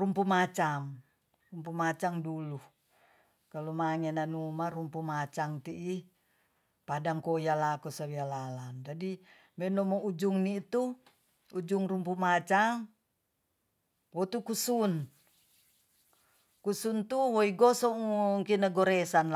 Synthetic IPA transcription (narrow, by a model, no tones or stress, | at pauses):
rumpumat͡ʃam | rumpumat͡ʃaŋdulu | kalumaŋɛnanumarumpumat͡ʃaŋt̪iʔi | padaŋkojalakusawialaland͡ʒadi | mɛnɔmɔʔud͡ʒuŋnit̪u | ud͡ʒuŋrumpumat͡ʃaŋ | wɔt̪ukusun | kusunt̪uwɔiɡɔsɔŋuŋkinaɡɔɾɛsan